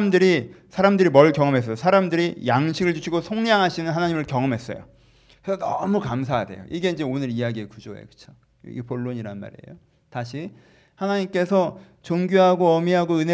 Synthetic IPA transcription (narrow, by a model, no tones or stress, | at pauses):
mdɯɾi | sʰaɾamdɯɾimʌɭkjʌŋʌmɦe̞s͈ʌjosʰaɾamdɯɾijaŋɕʰiɡɯɭd͡ʑuɕʰiɡosʰoŋɲaŋɦaɕʰinɯnɦanaɲimɯɭkjʌŋʌmɦe̞s͈ʌ̰jo̰ | kʰesʰʌnʌ̰mukamsʰaade̞̰jo̰ʔiɡe̞ind͡ʑe̞onɯɾijaɡiekud͡ʑoḛkɯ̥t͡ɕʰo̥̰ | ɡepoɭːoɲiɾanma̰ɾiḛjo | taɕʰi | hanaɲimk͈e̞sʰʌ | t͡ɕoŋɡjoɦaɡoʌmiɦaɡoɯnɦe